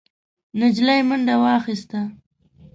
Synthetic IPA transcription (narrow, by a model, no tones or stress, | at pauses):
nɪd͡ʒlajmʊɳɖawɑxist̪a